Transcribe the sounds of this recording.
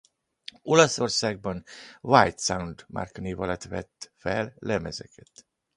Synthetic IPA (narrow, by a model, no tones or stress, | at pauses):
o̞lɒso̞rsaːɡ̚bɒnvajt̪sawnd̪mʔa̰rkniːvɒlɒt̪ʋɛ̰t̪ːfɛllɛmɛzɛkʰɛt̪